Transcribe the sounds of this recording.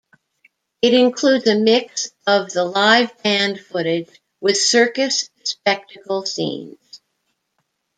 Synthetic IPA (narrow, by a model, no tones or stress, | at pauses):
ɨɾɨ̃nkʰl̥udzɨmɪksʌvðəlaɪvbæ̃nd̥fʊɾɪd͡ʒ | wɨð̥sɜ˞kɨsspɛk̚tɨkl̩ˠsḭ̃nz̥